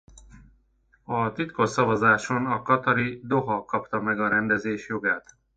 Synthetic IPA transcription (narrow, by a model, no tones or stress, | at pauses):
ɒt̪it̪kosɒvɒzaːʃonɒkɒt̪ɒɾid̪oɦɒkɒpt̪ɒmɛɡɒɾɛnd̪ɛzeːʃjoɡaːt̪